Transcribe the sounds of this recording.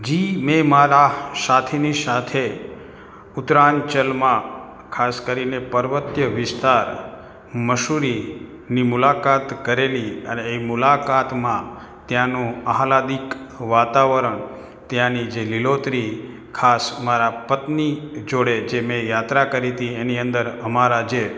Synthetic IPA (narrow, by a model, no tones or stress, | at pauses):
d͡ʒimẽmaɾasat̪ʰenisat̪ʰe | ʊt̪ɾant͡ʃəlmã | kʰaskəɾinepəɾʋət̪jəʋɪst̪aɾ | məʃuɾi | nimulakat̪kəɾeliəneemʊlakat̪mã | t̪jãnũaɦlad̪ikʋat̪aʋəɾəɳ | t̪jãnid͡ʒelɪlot̪ɾi | kʰasmaɾapət̪nid͡ʒoɽed͡ʒemẽjat̪ɾakəɾit̪ieniənd̪əɾəmaɾad͡ʒe